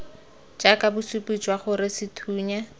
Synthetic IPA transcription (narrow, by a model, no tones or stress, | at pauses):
t͡ʃʼakʼabʊsupʼit͡ʃʼwaχʊɾɪsɪtʰuːɲa